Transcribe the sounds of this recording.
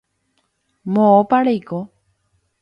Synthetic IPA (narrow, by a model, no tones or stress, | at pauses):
mõopaɾejko